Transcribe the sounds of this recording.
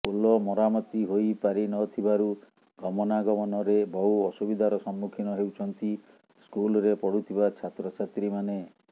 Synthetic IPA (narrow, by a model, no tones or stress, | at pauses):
ulɔmɔɾamɔt̪iɦojpaɾinɔt̪ʰibaɾu | ɡɔmɔnaɡɔmɔnɔɾebɔɦuɔsubid̪ʱaɾɔsɔmːukʰinɔɦewt͡ʃʰɔnt̪i | skulɔɾepɔɽut̪ʰibat͡ʃʰat̪ɾɔt͡ʃʰat̪ɾimane